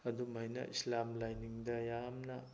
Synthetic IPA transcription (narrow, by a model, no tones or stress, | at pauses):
ɐdumɐjnɐ̰ʔislamlajniŋdɐjamnɐ